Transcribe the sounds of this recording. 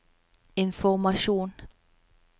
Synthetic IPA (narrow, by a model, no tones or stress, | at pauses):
e̝nfɔmæɕo̝̰ːn